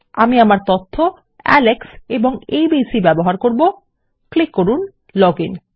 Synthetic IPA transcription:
amiamaɾt̪ot̪ʰːo | ɛ̰lekseboŋejbisibɛboɦaɾkoɾbo | klikːoɾun | lɔɡin

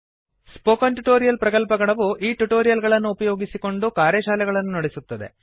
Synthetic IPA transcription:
spoːkɐnʈuʈoːɾijɐlpɾɐkɐlpɐɡɐɭɐʋuʔiːʈuʈoːɾijɐlɡɐɭɐnːuːpɐjo̞ːɡisiko̞ɳɖukaːɾjɐʃaːlɛɡɐɭɐnːunɐɽesut̪ːɐd̪e̞̰

